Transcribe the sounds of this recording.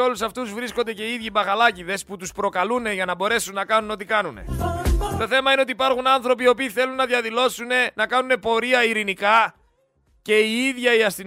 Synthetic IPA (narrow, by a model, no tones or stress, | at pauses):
o̞lusɐft̪uzvɾisko̞nd̪e̞ce̞iiðʝibɐxɐlɐciðe̞sput̪uspɾo̞kɐlune̞ʝɐnɐbo̞ɾe̞sunːɐkɐnuno̞t̪ikɐnune̞̰t̪o̞θe̞mɐineot̪ipɐɾxunɐnθɾo̞pio̞ːpiːθe̞lunːɐðjɐðilo̞sune̞nɐkɐnune̞po̞ɾiɐiɾinikɐ | ce̞iiðʝɐiɐst̪i